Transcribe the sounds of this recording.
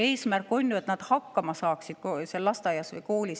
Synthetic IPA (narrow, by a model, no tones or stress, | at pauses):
e̞ːsmærkːˑo̞nʲjue̞t̪nɑd̪̥hɑkːɑmɑsɑːksid̪̥koselːɑst̪ɑjɑsvɤ̰jko̞ːlis